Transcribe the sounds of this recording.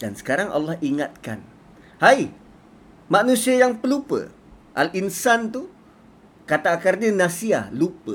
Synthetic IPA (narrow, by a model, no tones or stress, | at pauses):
dansə̥kaɾaŋʔa̰lːɑhiŋat̪̚ka̰n | haj | manũsiajaŋpəlupə̰ | ʔalinsant̪u | kat̪akarɲənasia̰hlupə